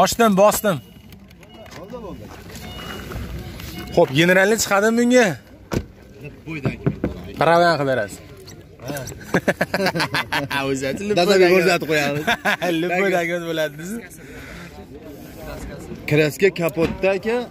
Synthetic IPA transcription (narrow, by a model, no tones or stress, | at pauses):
ɒʃt̪ɪmbɒst̪ɪm | χopɡʲeneɾalnɪt͡ʃʰɨ̥qʰɑd̪ɪmːɪŋa | d̪kʲpʰɾavjanqʰɨb̪eɾasɪ | ozat͡ʃ̪ɪlɪazaɡoat̪̚qʰojamɪlɪpːojd̪akʲmat̪bolad̪ɪnɪzɪ | kʲʰɪɾaskʲakʲʰapot̪ːakʲa